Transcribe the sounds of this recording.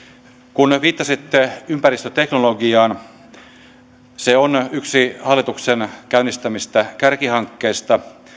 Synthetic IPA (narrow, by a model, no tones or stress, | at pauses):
kunʋiːt̪ːɑsit̪ːeympærist̪øt̪eknoloɡiɑːn | seonyksihɑlːit̪uksenkæynːist̪æmist̪ækærkihɑŋkːeːst̪ɑ